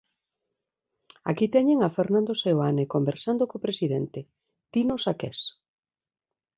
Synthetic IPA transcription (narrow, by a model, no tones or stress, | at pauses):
a̰kit̪ɛɲeŋafeɾnãnd̪osewanekombeɾsand̪okopɾesiðɛnt̪e | t̪inosakɛs